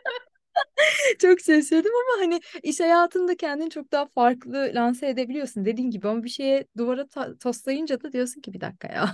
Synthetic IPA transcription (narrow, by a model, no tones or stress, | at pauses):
t͡ʃʰoksesed̪imamaɦanɪiʃhajaːt̪ʰɯnd̪acʰɛnd̪int͡ʃʰo̞k̚d̪aɦafaɾklˠɯlʲanseed̪e̞bilʲijo̞sund̪e̞d̪iːnɟibiamabiʃe̞jɛd̪uvaɾat̪ʰat̪ʰaslˠajɯnd͡ʒad̪ad̪ijo̞suncibid̪a̰kʰːa̰ja̰ː